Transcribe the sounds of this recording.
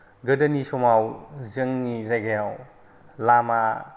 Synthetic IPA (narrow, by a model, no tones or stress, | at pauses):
ɡɯdɐnisɔmawzɯŋnizajɡajaw | lama